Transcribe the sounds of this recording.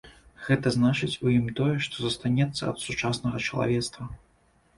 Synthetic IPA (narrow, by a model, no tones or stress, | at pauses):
ɣɛt̪ɐznat͡ʂɨt͡sʲujimt̪ɔjɛʂt̪ɔzɐst̪anʲɛt̪sːɐɐ̰t̪sut͡ʂasnɐɣɐt͡ʂɐlˠa̰vʲɛt̪st̪vɐ